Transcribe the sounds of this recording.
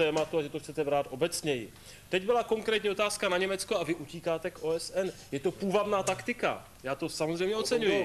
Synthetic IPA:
t̪ɛːmat̪uaʒɛt̪oxt͡sɛt̪ɛbɾaːt̪ʔo̞bɛt͡sɲɛjɪ | t̪ɛɟbɪlako̞ŋkɾɛːt̪ɲio̞t̪aːskanaɲɛmɛt͡skoavɪʔuciːkaːt̪ɛkʔo̞ːɛsɛnjɛt̪o̞puːvad̪naːt̪akt̪ɪka̰ | jaːt̪o̞samozrɛjmɲɛot͡sɛɲujɪ

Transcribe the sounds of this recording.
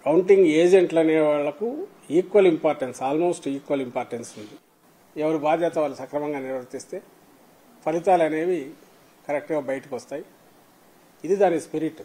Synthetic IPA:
kɐwɳʈiŋɡeːd͡ʒeɳʈlɐneːʋaːɭːɐku | iːkʋɐlimpaːɾʈensaːlmo̞ːsʈiːkʋɐlimpaːɾʈensund̪i | ɛʋɐɾubaːd̪ʱjɐt̪ɐʋaːɭːusɐkɾɐmɐŋɡaːniɾʋɐɾt̪ist̪e̞ː | pɐlit̪aːlɐne̞ːʋi | kɐɾek̚ʈɐɡaːbɐjɐʈikiʋɐst̪aːji | id̪id̪aːnːispiɾiʈ

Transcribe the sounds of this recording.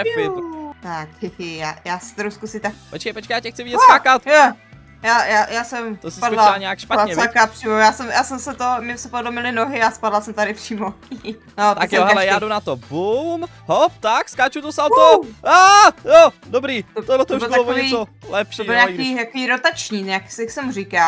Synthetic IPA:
ɛpɪt̪akhɪhjaːjaːsɛ̥t̪ɛɾuskusɪt̪akpot͡ʃkejpot͡ʃkejaːcɛxt͡sɪvɪɟɛtskakat̪jɛ | jaːjaːjaːsɛmt̪osɪspadlaalɲɛakʃpaɲɛvakaːpr̥iːmojaːsɛmjaːsɛmsɛt̪omɪmsɛpodlomɪlɪnoɦɪaspadlasɛmt̪aɾɪpr̥iːmo | not̪akoɦɛlɛjaːdunat̪obum | ɦop̚t̪akskaːt͡ʃut̪osalt̪oaːjodobɾiːt̪obt̪oblɛt̪oɪlalokvoɲɛisolɛpʃioːɪlɲaiːt̪akoviːɾot̪at͡ʃɲiːɲaksɛksɛmuɾika

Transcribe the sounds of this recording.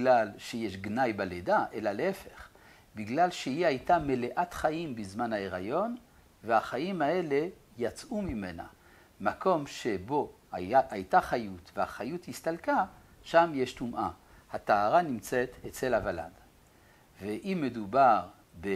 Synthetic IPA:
ilalʃejeʃɡnajbaledaʔelaleefe̞χ | biɡlalʃeiiajtame̞leʔat̪χaʔimbizmanhaeʁajo̞n | veaχaimae̞le̞ | jat͡sʔumime̞na̰ | mako̞mʃe̞bo̞ | aʔajtaχajut̪vehaχajuthist̪alka | ʃamjeʃtumʔa | hat̪aaʁanimt͡set̪et͡selhavala̰d | veʔimːedubaʁ | be

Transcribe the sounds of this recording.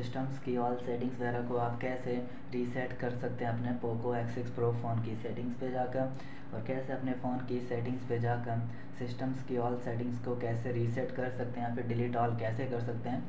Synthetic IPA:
sɪsʈəmzkiɔːlsɛːʈɪ̃ŋsʋɐɛːɾakoaːpkɛːse | ɾiːsɛʈkɐɾsɐk̚t̪ẽɦɛ̃ɐpnepoːkoɛːksɪkspɾoːfoːnkisɛːʈɪ̃ŋɡsped͡ʒaːkəɾ | ɔːɾkɛːseɐpnefoːnkisɛːʈɪ̃ŋɡsped͡ʒaːkəɾ | sɪsʈəmskiɔːlsɛːʈɪ̃ŋɡskokɛːseɾiːsɛʈkɐɾsɐk̚t̪eɦɛ̃fɪɾɖɪliːʈɔːlkɛːsekɐɾsɐk̚t̪eɦɛ̃ː

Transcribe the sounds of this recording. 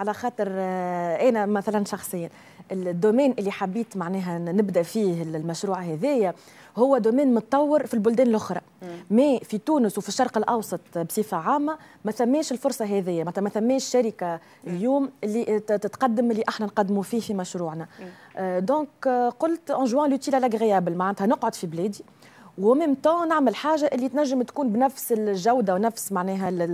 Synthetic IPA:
ʕalæxɑːt̪ˤəɾʔɛːnæmæθælænʃɑxsˤəjːa | ʔɪld̪ːumɛːnʔɪlːiħabːiːt̪maʕnɛːɦænɪbd̪æfiːhɪllmæʃɾuːʕɦɛðɛːjæ | hʊwːæd̪umɛːnmʊt̪ˤːɑwːɪɾfilbʊld̪ɛːnlʔʊxɾˤɑ | mɛːfit̪uːnəswfiʃːɑɾˤqəlʔɑwsˤɑt̪ˤbsˤiːfaʕaːmːa | mæθæmːɛːʃɪlfʊɾsˤɑɦɛðɪjːæmat̪ːmæθæmːɛːʃʃæɾɪka | ʔɪljuːmʔɪlːit̪ɪt̪qɑd̪ːəmʔɪlːiʔaħnænqɑd̪ːmufiːhfimæʃɾuːʕnæ | d̪ɔ̃ːkqʊlt̪ʔɑ̃ʒwæ̃lut̪iːlʕalæɡɣɪjæːbəlmaʕand̪hænʊqʕod̪fiblɛːd̪i | wæmɪːmt̪ɑ̃naʕməlħaːʒaʔɪlːit̪næʒːəmt̪kuːnbnæfsɪlʒawd̪awnæfsmaʕnɛːɦæ

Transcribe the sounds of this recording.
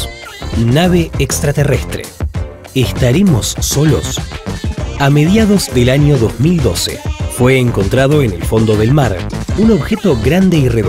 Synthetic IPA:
naβ̞eːkst̪ɾat̪erest̪ɾḛ | est̪aɾemo̞sːolo̰s | ameðjaðo̞zðelaɲo̞ðozmild̪o̞sḛfweːŋko̞nt̪ɾað̞o̞enelfo̞nd̪oðelmaɾuno̞βxet̪oɣɾand̪eireð

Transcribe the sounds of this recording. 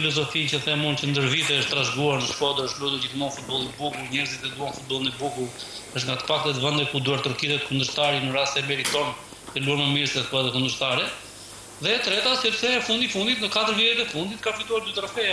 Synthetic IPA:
ilɔzɔfincəθɛmɔncənd̪əɾvit̪ɛəʃt̪ːɾaʒɡuaɾnəʃkɔd̪əɾəʃlut̪uɾd͡ʑiθmɔnfut̪̚bɔlˠnbukulˠɲɛɾzit̪ɛd̪uanfut̪̚bɔlˠinɛbukulˠəʃt̪ŋɡat̪ə̥pak̚t̪ɛt̪vɛnd̪ɛkud̪uaɾt̪ɾɔkit̪ɛt̪kund̪əɾst̪aɾinəɾast̪ɛmɛɾit̪ɔn | t̪ɛluaɾməmiɾsɛkɔat̪ɛkund̪əɾst̪aɾɛ | ðɛt̪ɾɛt̪asɛt̪sɛɛfund̪ifund̪it̪nəkat̪əɾvjɛɾit̪ɛfund̪it̪kafit̪uaɾd̪yt̪ɾafɛa

